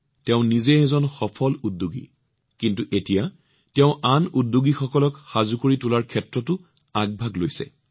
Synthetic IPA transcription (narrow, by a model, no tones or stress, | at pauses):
tɛʊ̃nizɛɛzɔnxɔpʰɔludːuɡḭ | kintuʔetija | tɛʊ̃ʔanudːuɡixɔkɔlɔkxazukoɹitʊlaɹkʰɛtɹɔtʊ | aɡ̚bʱaɡlojsɛ̰